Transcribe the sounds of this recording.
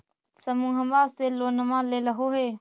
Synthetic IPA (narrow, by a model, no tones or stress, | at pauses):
səmũːɦəmbaːst̪eːlːoːnəmãːleːləɦoːɦeː